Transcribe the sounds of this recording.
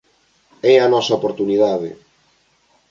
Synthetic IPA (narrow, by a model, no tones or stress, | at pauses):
ɛɐnɔsɐopoɾt̪uniðaðɪ̰